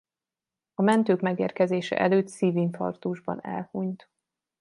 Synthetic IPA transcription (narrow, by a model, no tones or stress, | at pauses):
ɒmɛnt̪øːkmɛɡeːrkɛzeːʃɛ̰ʔɛløːt̪siːvinfɒ̰rt̪uʒbɒ̰nɛ̰lhuɲt̪